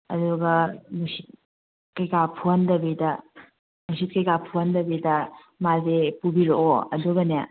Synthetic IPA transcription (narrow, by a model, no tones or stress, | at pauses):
ɐ̰duɡɐmusit̚ | kɐjkapʰuɐndɐbidɐ | musit̚kɐjkapʰuɦɐndɐbidɐ | mazepubiɾoʔoɐ̰duɡɐnea̰